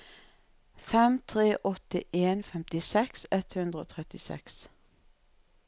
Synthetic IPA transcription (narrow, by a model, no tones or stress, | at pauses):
fɛmt̪ʰʁeːʔɔt̪əʔeːnfɛmt̪ɪsɛksɛt̪hʉnd̪ʁəo̰ːt̪ʰʁɛt̪ɪsɛ̰ks